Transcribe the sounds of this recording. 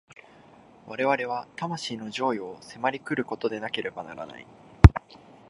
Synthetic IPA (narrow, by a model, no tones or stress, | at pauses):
βaɾe̞β̞aɾe̞β̞at̪amaɕiːno̞ʑo̞ːio̞se̞maɾʲikɯ̟ɾɯ̟ko̞t̪o̞d̪e̞nake̞ɾe̞bana̰ɾa̰na̰ḭ